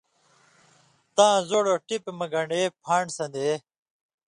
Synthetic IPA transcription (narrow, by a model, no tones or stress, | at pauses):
t̪ãːzoːɽoʈipemɐɡɐɳɖeːpʰaːɳsɐnd̪e